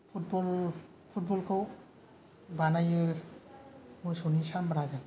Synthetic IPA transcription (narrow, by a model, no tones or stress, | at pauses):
pʰut̚bɔl | pʰut̚bɔlkʰɯw | banajɯ | mujsɔnisambɾazan